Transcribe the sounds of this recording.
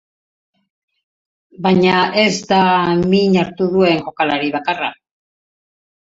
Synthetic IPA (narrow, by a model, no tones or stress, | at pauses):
baɲae̞zd̪amiɲaɾt̪uðue̞ŋɡo̞kalaɾiβakara̰